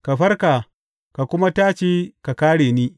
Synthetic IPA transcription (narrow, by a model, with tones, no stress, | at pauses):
ka˨ɸɐ˦rkaː˨ | ka˨kʷʊ˦ma˦taː˦t͡ʃiː˦ka˨kaː˦ɽeː˨ni˦